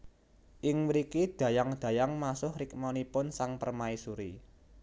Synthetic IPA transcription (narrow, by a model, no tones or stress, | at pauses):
ʔɪŋwɾikid̪̥ä̤jaŋd̪̥a̤jaŋmasʊhɾɪk̚mɔnipʊnsaŋpərmaisuɾi